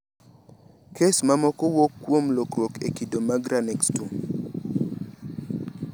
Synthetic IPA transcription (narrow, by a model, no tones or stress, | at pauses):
kesmamɔkɔwokːwomlokɾwokekidomaɡɾanɛkstum